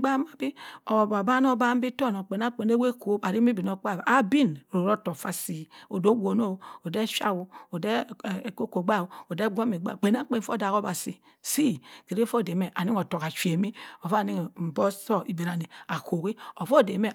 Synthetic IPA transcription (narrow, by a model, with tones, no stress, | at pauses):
ɡ͡ba˦ma˨bi˦o˨ba˨ba˦n˦o˦ba˦m̩˦bi˦to˦˨no˨k͡pe˨na˦k͡pe˨n˦e˦we˦ko˦a˨ɾi˦mi˦bi˨no˦k͡pa˦˨a˦bi˦˨nɾo˨ɾo˦to˨fa˦si˨o˨do˦wo˨no˦˨o˨de˦ʃa̰˦wu˦o˨de˦˨ko˦ko˨ɡ͡ba˦˨o˨de˦ɡʷo˦mi˨ɡ͡ba̰˦˨k͡pe˨n˦a˦k͡pe˨˦fo˦da˨ko˦ba˨si˨ | si˦˨ke˨ɾe˦fo˦˨de˨me˨ʔa˨ni˦ŋo˨to˨ka˨t͡ʃe˨mi˦o˨fa˦˨ni˦ŋ˨m̩˨bo˦so˦ʔi˨be˨ɾa˨ni˨a˨ko˨ki˦o˨fo˦˨de˨me˦